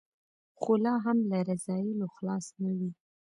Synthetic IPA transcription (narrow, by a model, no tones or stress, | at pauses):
xolɑɦamlaɾazɑjɪloxlɑsnawi